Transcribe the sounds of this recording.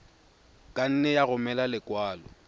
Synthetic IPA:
kʼan̩nɛjaɣʊmɛlalɪkʼwaːlɔ̰

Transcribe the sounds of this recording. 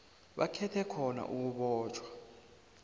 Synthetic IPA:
ɓakʰɛtʰɛkʰɔna̰ʔuk̬uɓɔːt͡ʃʰʼwa

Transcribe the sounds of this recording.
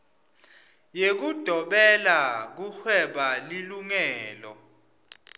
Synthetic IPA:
jek̬ud̥ʱɔɓɛlak̬uxwɛɓaliluŋɛːlɔ̰

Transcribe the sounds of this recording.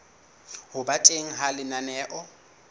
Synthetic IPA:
hʊbatʼeŋ̩ɦalɪnanɛːʔɔ

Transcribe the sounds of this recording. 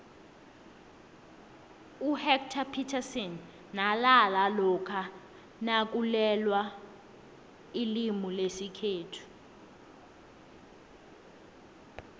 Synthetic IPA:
uhɛk̚tʰapʰitʰasɔnː | alalalɔkʰa | nak̬ulɛlwa | ilimulesikʰeːtʰu̥

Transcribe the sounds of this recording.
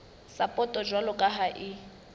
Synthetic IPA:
sapʼɔtʼɔd͡ʒwalʊkʼaɦaʔɪ

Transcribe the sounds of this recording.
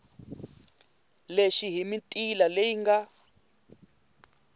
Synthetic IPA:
leʃiɦimitʼilalejiŋɡa

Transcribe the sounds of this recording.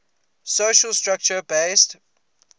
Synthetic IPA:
soʃəlstɹak̚t͡ʃəbeɪst

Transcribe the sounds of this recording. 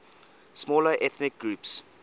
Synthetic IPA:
smɔləʔɛθnɪk̚ɡɹuːps

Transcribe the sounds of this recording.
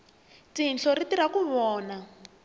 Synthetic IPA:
tiɦnɬɔritiɾakuβɔːna

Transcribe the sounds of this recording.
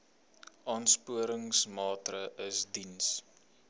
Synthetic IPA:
ʔɑːnspuəɾəŋsmɑːtrəʔəsdins

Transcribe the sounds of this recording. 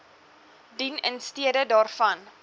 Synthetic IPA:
dinənstiədədɑːrfɐn

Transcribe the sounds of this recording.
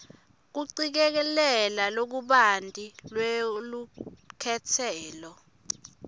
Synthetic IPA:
k̬uǀik̬ɛk̬ɛlɛlalok̬uɓantʼilwelukʰɛtʰɛːlɔ

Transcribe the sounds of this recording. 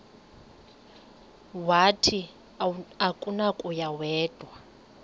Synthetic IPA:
watʰi | akʼunakʼujawɛːd̥ʱwa

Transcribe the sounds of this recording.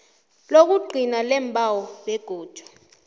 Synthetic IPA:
lok̬uɡ͡ǃʱinalɛmpʰʼawɔbɛɡ̥ʱuːd̥ʒ̥ʱwḁ

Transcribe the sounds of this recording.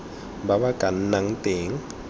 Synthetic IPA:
baβakʼan̩naŋ̩teːŋ̩

